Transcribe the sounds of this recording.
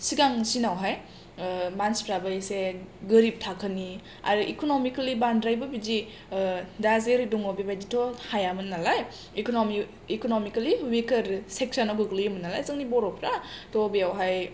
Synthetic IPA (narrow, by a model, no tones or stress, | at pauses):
siɡaŋsinawɦaj | manspɾabaɾiseɡɯɾip̚tʰakʰəni | a̰ɾʔikonomikalibandɾajbɐbid͡ʒi | dazeɾiduŋobibajditʰohajamɯnːalaj | iknomi | ikonomikaliwikɐɾsek̚sanaɡɯɡlijmɯnalajzɯŋnibɔɾɔpʰɾatɔbijawɦaj